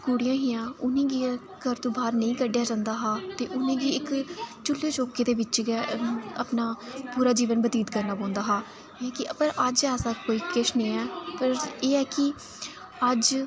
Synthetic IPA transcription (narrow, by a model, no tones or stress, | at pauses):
kuːɽɪjãːɦiːãːʊnẽːɡiː | kəɾt̪õːbaːɾnəĩːkəɖɪjaːd͡ʒãːnd̪aːɦaːt̪eːʔʊnẽːɡiːɪkt͡ʃʊlːeːt͡ʃoːkeːd̪eːʋɪt͡ʃɡɛəpnaːpuːɾaːd͡ʒiːʋənbət̪iːt̪kəɾnaːpɔ̃ːnd̪aːɦaː | ɛkɪʔəpəɾəd͡ʒɛːsaːkoːiːkɪʃnəĩːɛːpəɾeːɛːkɪ | əd͡ʒ